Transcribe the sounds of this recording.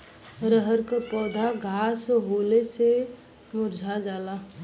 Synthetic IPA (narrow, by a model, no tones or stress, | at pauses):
ɾəɦəɾkapɔːd̪ʱaɡʱaːsɦoːlese | mʊɾd͡ʒʱad͡ʒaːla